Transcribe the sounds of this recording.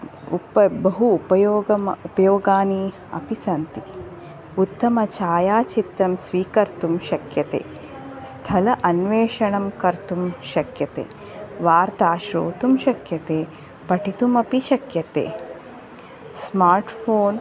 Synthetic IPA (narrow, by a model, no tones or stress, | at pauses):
ṵpɐbɐɦuːpɐjoːɡɐmupɐjoːɡaːni | ɐ̰pisɐnt̪i | ut̪ːɐmɐt͡ʃaːjaːt͡ʃit̪ɾɐmsʋiːkɐɾt̪umʃɐkjɐt̪ḛː | st̪ʰɐlɐʔɐnʋeːʃɐɳɐmkɐɾt̪umʃɐkjɐt̪ḛː | ʋaːɾt̪aːʃɾo̰ːt̪umʃɐkjɐt̪eː | pɐʈit̪umɐpiʃɐkjɐt̪ḛː | smaːɾʈfʰoːn